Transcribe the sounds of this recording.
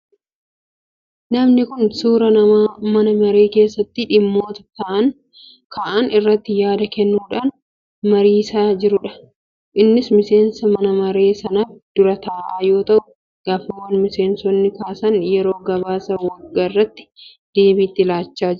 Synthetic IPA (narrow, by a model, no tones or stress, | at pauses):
nɐmnɪkʊnsuːɾɐnɐmaːmɐnɐmɐɾe̞ːke̞ːsːɐt̪ːɪᶑɪmːo̞ːt̪ɐ̥t̪ɐʔɐn | kʰɐʔɐnɪrːɐt̪ːɪjaːd̪ɐkɛnːuːᶑaːn | mɐɾiːsaːd͡ʒɪɾʊᶑɐ̥ | ʔɪnːɪsmɪse̞ːnsɐmɐnɐmɐɾe̞ːsɐnɐfd̪̥ʊɾɐt̪aːʔaːjo̞ːt̪ɐʔʊ | ɡ̥aːfɪmːɐnmɪse̞ːnsɔnːɪkaːsɐnjɛɾo̞ːɡɐβaːsɐwɐɡːɐrːɐt̪ːɪ̥ | d̪̥e̞ːbiːt̪ːɪlaːt͡ʃːaːd͡ʒɪɾʊ